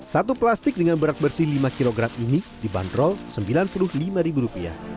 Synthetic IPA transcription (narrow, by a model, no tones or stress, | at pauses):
sat̪uplast̪ɪk̚dəŋanbəɾat̪̚bərsɪhlimakiloɡɾaminidiba̰ndɾɔlsəmbilanpulʊhlimaɾibuɾupia̰